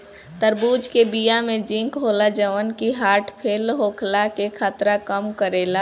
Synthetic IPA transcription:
t̪əɾbuːd͡ʒʱkebijamed͡ʒĩŋkɦolad͡ʒəʋənkiɦaːʈʰpʰeːlɦokʰlakekʰat̪ɾakəmkəɾela

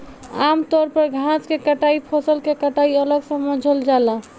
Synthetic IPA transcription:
amt̪ɔɾpəɾɡʱãskekəʈaipʰɔsəlkekəʈaiələɡsə̃mə̃d͡ʒʱəld͡ʒala

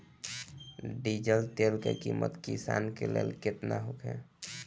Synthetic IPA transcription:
ɖid͡ʒəlt̪elkekimət̪kisankelelket̪naɦokʰɛ

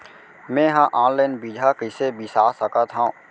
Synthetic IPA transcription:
mɛ̃ɦãʔãːnlaːɪnbiːd͡ʒʱakɪsebisaːsəkət̪ɦã

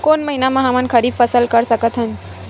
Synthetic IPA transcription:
konməɦinamãɦəmənkʰəɾibfʰəsəlkəɾsəkət̪ʰɦən

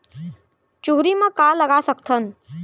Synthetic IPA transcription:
t͡ʃuɦɾimãkaləɡasəkt̪ʰən

